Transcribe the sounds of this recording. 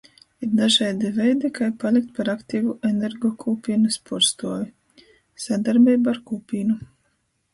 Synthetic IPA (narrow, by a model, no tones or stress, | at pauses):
iɾd̪aʒɛjd̪ivɛjd̪ikajpalʲˠik̚t̪̚paɾakt̪ʲiːvuʔɛneɾɡɔkʰuːpʲiːnuspʰuɾst̪uɔji | sad̪aɾbʲiːbaaɾkuːpʲiːnu